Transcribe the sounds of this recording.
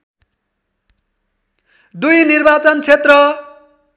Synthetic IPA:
d̪ujnirbat͡sʌnt͡sʰet̪rʌ

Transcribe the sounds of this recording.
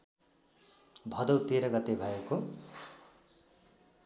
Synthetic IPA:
bʱʌd̪ʌwt̪eɾʌɡʌt̪ebʱʌeko

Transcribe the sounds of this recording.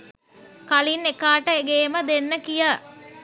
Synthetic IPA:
kalinekaːʈəeɡeːməd̪enːəkijə

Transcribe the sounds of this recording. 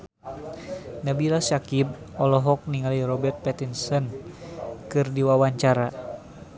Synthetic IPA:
nabilasakib̚ | ɔlɔɦɔk̚niŋalirɔbɛrt̪̚pɛt̪insɔn | kɨrdiwawaɲt͡ʃaɾa

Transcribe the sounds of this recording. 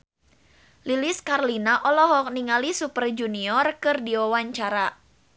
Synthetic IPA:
liliskarlinaʔɔlɔɦɔk̚niŋalisupərd͡ʒuniɔrkɨrdiɔwaɲt͡ʃaɾa

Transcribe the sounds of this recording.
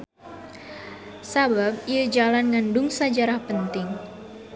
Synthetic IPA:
sabab̚iəd͡ʒalanŋandʊŋsad͡ʒaɾahpənt̪ɪŋ

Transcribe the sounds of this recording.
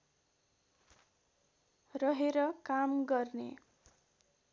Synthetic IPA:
rʌɦeɾʌkamɡʌrnḛ

